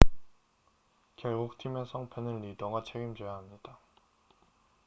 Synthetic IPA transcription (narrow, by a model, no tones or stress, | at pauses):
keɭɡok̚tʰimesʰʌŋpʰenɯɭːidʌŋat͡ɕʰeɡimd͡ʑojaɦamɲid̥a